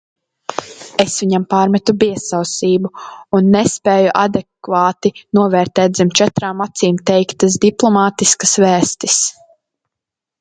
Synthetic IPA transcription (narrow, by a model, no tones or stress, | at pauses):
esviɲampaːɾmɛt̪ubiɛsawsiːbuunːɛspɛːjuʔa̰d̪ɛkvaːt̪inuɔvɛːɾt̪ɛːzɛmt͡ʃɛt̪ɾaːmːat̪siːmt̪ɛjkt̪asd̪iplˠɔmaːt̪iskɐsvæːst̪is